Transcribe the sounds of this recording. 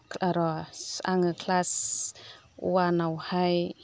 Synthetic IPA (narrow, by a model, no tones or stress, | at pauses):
aɾɔsaŋəkʰlas | wanawhaj